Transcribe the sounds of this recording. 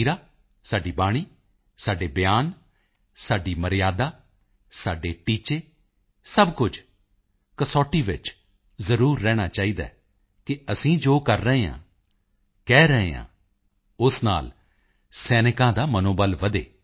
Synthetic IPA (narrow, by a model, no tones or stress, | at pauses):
iɾaː | saːɖiːbaːɽ̃iː | saːɖeːbɪjaːn | saːɖiːməɾɪjaːd̪aː | saːɖeːʈiːt͡ʃeː | səbkʊd͡ʒ | kəsɔːʈːiːʋɪ̰t͡ʃ | zəɾuːɾːɛːɽ̃aːt͡ʃaːiːd̪a̰ː | kɪəsĩːd͡ʒoːkəɾːəɦeːã̰ː | kɛːɾəɦḛːã̰ː | ʊsna̰ːl | sɛːnɪkãːd̪aːmənoːbəlʋəd̪ḛː